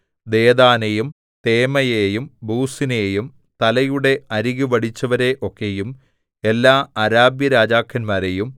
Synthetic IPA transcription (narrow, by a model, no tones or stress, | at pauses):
d̪e̞ːðaːnejum | t̪eːmɐjeːjumbuːsineːjum | t̪ɐlɐjuɽe̞ɐɾiɣuʋɐɽit͡ɕːɐʋɐɾe̞ʔo̞kːe̞jum | e̞lːaːɐɾaːbjɐɾaːd͡ʑaːkʰːɐnmaːɾejum